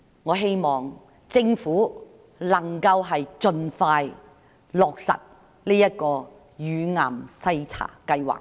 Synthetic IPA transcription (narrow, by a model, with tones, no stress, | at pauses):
ŋɔː˨˧ɦe˥jmɔː˨˩ŋ | t͡sɪ˧ŋfuː˨˥ | lɐ˨˩ŋkɐ˧wɦɐ˨jt͡ʃɵ˨nfaː˧j | lɔː˨k̚sɐ̰˨t̚ | liː˥jɐ˥t̚kɔː˧ | jyː˨˧ŋaː˨˩msɐ˧jt͡sʰa̰ː˨˩kɐ˧jwa̰ː˨˩k̚